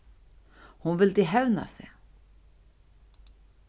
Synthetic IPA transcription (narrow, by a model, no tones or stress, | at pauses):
hʊnvɪld̪ɪɦɛvna̰sɛ̰j